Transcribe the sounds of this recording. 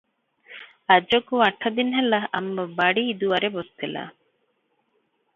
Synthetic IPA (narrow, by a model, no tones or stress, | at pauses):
ɐd͡ʒokuɐʈʰːɐd̪inɦɛlːɐɐmbɐbɐɽiːd̪uɐɾebost̪ela̰